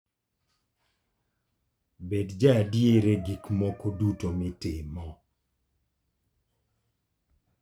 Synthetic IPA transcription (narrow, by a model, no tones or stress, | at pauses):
bedd͡ʒadjeɾeɡikmɔkodutomɪtɪmɔ